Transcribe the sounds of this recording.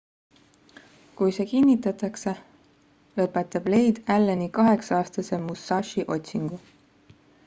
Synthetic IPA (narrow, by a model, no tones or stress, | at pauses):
kujse̞ːkinːit̪ːˑɑt̪ˑɑkse̞ | lɤpːˑe̞t̪ːˑɑb̥le̞jd̪̥ælːenikɑɦe̞ksɑɑːst̪ɑse̞musːɑːʃiʔo̞t̪ʲsiŋɡ̥u